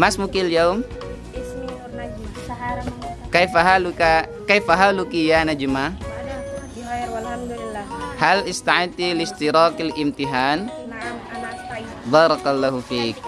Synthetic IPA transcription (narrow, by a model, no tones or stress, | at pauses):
masmukiljawm | kajfaɦalukakajfaɦalukijanad͡ʒuma | halɪst̪aʕit̪ilɪst̪iɾaːkalʔɪmt̪iɦaːn | bɑːɾˤɑkalːaɦufiːk̚